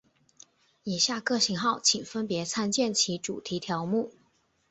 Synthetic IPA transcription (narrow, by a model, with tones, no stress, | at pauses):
i˨˩ɕja˥˧kɤ˥˩ɕi˧˥ŋxɑ˥˩ʊt͡ɕʰi˨˩ŋfə˥npjɛ˧˥t͡sʰa˥nt͡ɕjɛ˥˩nt͡ɕʰi˧˥ʈ͡ʂu˨˩t̪ʰi˧˥t̪ʰjɑ˧˥ʊmu˥˩